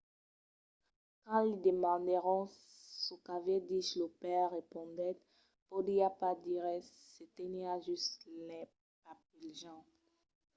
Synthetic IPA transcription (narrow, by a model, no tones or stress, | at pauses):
kɑ̃lid̪emɑ̃d̪ɛʁɔ̃ | sɔkaved̪iʃlopɛʁʁepɔ̃d̪ɛt̪ | pod̪iapad̪iʁɛ | set̪eniaʒyst̪lɛ | pap̚ilʒɑ̃